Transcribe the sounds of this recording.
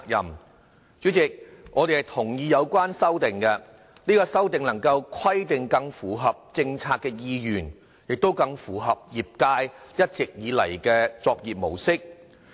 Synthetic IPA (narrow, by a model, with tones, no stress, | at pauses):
k̚jɐ̰˨˩m | t͡ʃy˨˥t͡sɪ˨k̚ŋɔː˨˧t̪e˨jhɐ˨˩jt̪ʰʊ˨˩ŋjiː˨˧jɐ˨˧wkʷaː˥nsɐ˥wt̪ɪ˨ŋkɛ˧ | niː˥kɔː˧sɐ˥wt̪̬ɪ˨ŋlɐ˨˩ŋkɐ˧wkʷʰɐ˥jt̪ɪ˨ŋkɐ˧ŋfuː˨˩ɦɐ˨p̚t͡sɪ˧ŋt͡sʰaː˧kːɛː˧jiː˧jyː˨˩n | jɪ˨k̚t̪o˥wkɐ˧ŋfuː˨˩ɦɐ˨p̚jiː˨˩p̚kaː˧jjɐ˥t̚t͡sɪ˨k̚jiː˨˧lɐ̰˨˩jkɛː˧t͡sɔː˧k̚jiː˨p̚mo˨˩wsɪ˥k̚